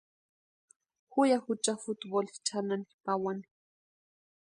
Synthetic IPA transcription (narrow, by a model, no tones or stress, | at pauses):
xʊjaxʊt͡ʃafut̪bolt͡ʃʰananipawani̥